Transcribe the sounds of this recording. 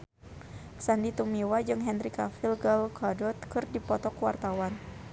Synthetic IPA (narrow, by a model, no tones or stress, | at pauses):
sandit̪umiwad͡ʒɨŋɦɛnɾikafilɡalkʰadɔt̪̚kɨrdipɔt̪ɔkuwa̰rt̪awan